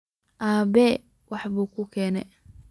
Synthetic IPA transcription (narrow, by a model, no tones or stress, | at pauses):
ʔaːbɛ | wɑħβuːkʰʊkʰɛːnɛ